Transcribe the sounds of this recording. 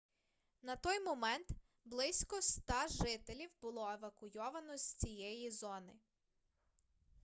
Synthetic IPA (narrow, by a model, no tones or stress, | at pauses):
nɐt̪ɔjmɔmɛnt̪ | blˠɪsʲkɔst̪ɑʒɪt̪elʲiwbʊlˠɔeʋɐkʊjɔʋɐnɔzʲt͡sʲijɛjizɔnɪ